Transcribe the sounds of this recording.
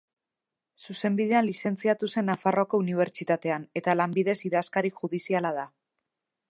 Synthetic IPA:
suse̞mbiðe̞anlise̞nt͡siat̪use̞nːafaroko̞uniβ̞e̞ɾt͡ʃit̪at̪e̞ane̞t̪alambiðe̞siðaskaɾikʝuðisialaða

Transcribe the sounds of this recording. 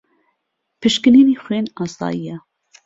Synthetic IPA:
pʰɨʃkɨniːniːxweːnɑːsɑ̰ːjijɛ

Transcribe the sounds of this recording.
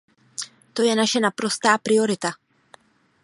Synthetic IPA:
t̪o̞jɛnaʃɛnapɾo̞st̪aːpɾɪo̞ɾɪt̪a

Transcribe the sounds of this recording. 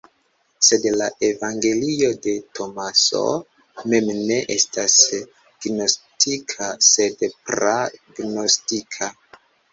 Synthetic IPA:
se̞dlaʔe̞vaŋɡe̞lio̞de̞tʰo̞maso̞̰ | me̞mne̞ʔe̞stas | ɡ̥no̞stikʰase̞dpɾaɡno̞stikʰa

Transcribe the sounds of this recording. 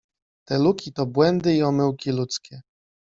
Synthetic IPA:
t̪ɛlukʲit̪ɔbwɛnd̪ɘiɔmɘwkʲilut̪skʲɛ

